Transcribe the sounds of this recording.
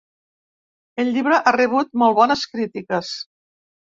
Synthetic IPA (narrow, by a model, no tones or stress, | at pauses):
əʎʲʎiβ̞ɾəʔareβ̞ut̪̚molˠβɔnəskɾit̪ikəs